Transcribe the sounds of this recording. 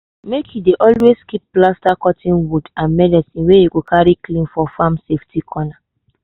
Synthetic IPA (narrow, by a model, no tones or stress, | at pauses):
mekʰjideʔɔlweskip̚ːlastakɔtʰĩnwudãnmɛdɛsĩnwejeɡokʰaɹiklĩnfɔfãmseftikʰɔna